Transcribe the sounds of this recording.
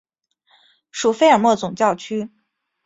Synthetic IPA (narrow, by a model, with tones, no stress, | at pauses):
ʂu˨˩fe˥ɪə˞˨˩mwɔ˥˩t͡sʊ˨˩ŋt͡ɕjɑ˥˩ʊt͡ɕʰy˥